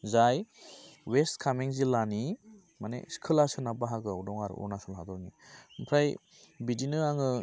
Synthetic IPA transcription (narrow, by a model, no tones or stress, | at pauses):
zaj | westkʰameŋzilani | manḛskʰɯlasɯnabaɦaɡɯudɔŋaɾ̰ɔ̰nasɔlɦad̪ɔɾŋimpʰɾaj | bidinɯaŋɯ